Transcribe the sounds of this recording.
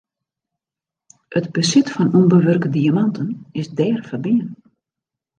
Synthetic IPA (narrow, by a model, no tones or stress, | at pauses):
ətbəsɪtfɔnumbəʋørkədiamantʰənɪsdɛːrfərbiən